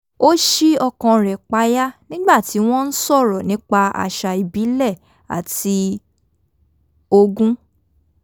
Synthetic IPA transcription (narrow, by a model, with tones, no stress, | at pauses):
o˦ʃi˦ɔ˧kã˧ɾɛ˨k͡pa˨˦ja˦nĩ˦ɡ͡ba˦˨ti˨˦w̃ɔ̃˦n̩˦sɔ˦˨ɾɔ˨nĩ˨˦k͡pa˧a̰˧˨ʃa˧i˨bi˨˦lɛ˦˨ | a̰˨ti˧ | o˧ɡũ˦